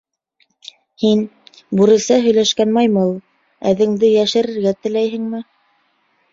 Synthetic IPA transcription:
hin | buɾɘ̆sæɦɵ̆jlæʃkænmɑjmɤlˠ | æ̰ðɘ̆ŋd̪ɘjæʃɘ̆ɾɘ̆ɾɡæt̪ɘ̆læjɦɘ̆ŋmɘ

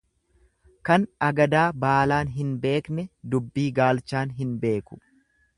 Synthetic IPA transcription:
kɐnɐɡɐd̪aːbaːlaːnɦɪnbe̞ːknɛd̪ʊbːiːɡaːlt͡ʃaːnɦɪnbe̞ːkʊ̥

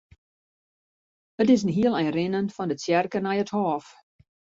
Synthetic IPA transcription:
ətɪs̬n̩ɦiəlˠɛnrɪnənfɔndəsjɛrkənɛjəthɔːf

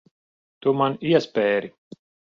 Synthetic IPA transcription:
t̪umaniɛspɛːɾi

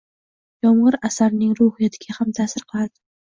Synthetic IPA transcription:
jɒmʁɨɾasaɾnɪŋɾʊhɪjat̪ʰɪɡʲahamt̪ʰaːsɪɾqʰɨlˠad̪ɪ̥

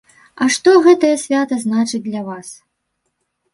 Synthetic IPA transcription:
ɐʂt̪ɔɣɛt̪ɐjɐsʲvʲat̪ɐznat͡ʂɨd͡zʲd̪ʲlʲɐvas

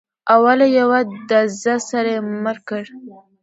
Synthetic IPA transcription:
awalajawad̪azasaɾaməɾkəɽ

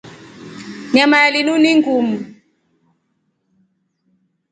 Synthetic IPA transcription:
ɲamajalinuniŋɡum̩

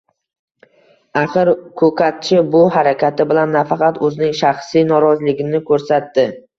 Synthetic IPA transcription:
aχɨɾkʰɵkʰat̪̚t͡ʃʰɪbʊhaɾakʲʰat̪ʰɪbɪlanːafɑqɑt̪ɵzɪnɪŋʃaχsijnɒɾɒzlɪɡʲɪnɪkʰɵɾsat̪ːɪ

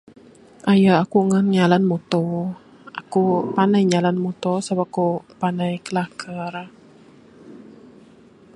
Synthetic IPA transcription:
ʔajaakuŋanɲalanmɔt̪ɔ | ʔakupanajɲalanmɔt̪ɔsabakupanajkəlakʰər

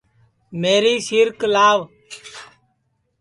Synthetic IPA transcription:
meːɾiːsɪɾklaːʋ

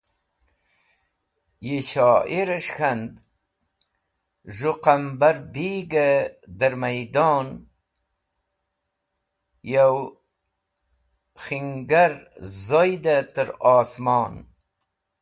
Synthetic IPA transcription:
jiɕɑːʔiɾaʂxand̪ | ʒuqambaɾbiːɡad̪əɾmajd̪ɑːn | jaw | xiŋɡaɾzojd̪at̪əɾɑːsmɑːn

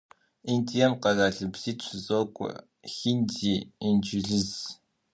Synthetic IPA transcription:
intʼijɐmqɐzaːɮɨbz̥iːtɕʷzʼoːkʷʼɔ̰ | xindiːind͡ʒɪɮɨz

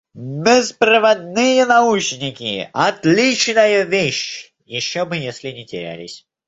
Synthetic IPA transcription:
bʲɪspɾəvɐd̪nɨjənɐut͡ɕnʲɪkʲɪɐt̪lʲit͡ɕnəjəvʲeɕ | jɪɕːobɨjesʲlʲɪnʲɪtʲɪɾʲæ̰lʲɪ̰sʲ

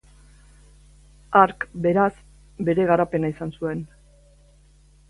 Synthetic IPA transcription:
aɾkbe̞ɾas | be̞ɾe̞ɣ̞aɾape̞naisansue̞n

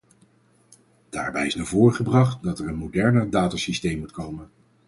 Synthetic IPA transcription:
d̥aːɹbɛjɪsnavʊːɹχəbrɑχtdɑtɛɹənmodɛɹnədaːtasistejmːutkowmən

